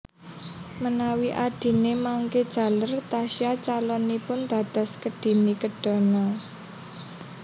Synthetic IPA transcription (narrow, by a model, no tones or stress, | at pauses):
mənawiʔaɖ̥i̤nemaŋked̥ʒ̥ä̤lərt̪aʃiat͡ʃalɔnipʊnd̪̥ä̤d̪̥ɔ̤skəɖ̥i̤nikəɖ̥ɔ̤nɔ